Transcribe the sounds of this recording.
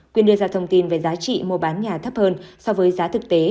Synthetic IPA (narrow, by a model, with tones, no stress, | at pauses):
kwi˧ənɗɨ˧əzaː˧t̪ʰə˧wŋ͡mt̪i˧nve˨˩zaː˨˦t͡ɕḭ˧˨mo˧˩ɓaː˨˦nɲaː˨˩t̪ʰə˦˥p̚həː˧nsɔ˧vəː˨˦jzaː˨˦t̪ʰɨ˨˩k̚t̪e˨˦